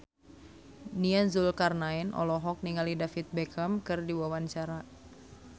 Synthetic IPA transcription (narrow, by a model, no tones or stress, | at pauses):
nianzulkarnainʔɔ̰lɔɦɔk̚niŋalidafit̪̚bɛkʰamkɨrdiwawant͡ʃaɾa